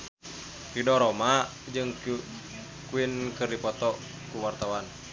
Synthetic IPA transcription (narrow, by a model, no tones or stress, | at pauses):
ridɔɾɔma | d͡ʒɨŋ | kuinkɨrdipɔt̪ɔ | kuwart̪awan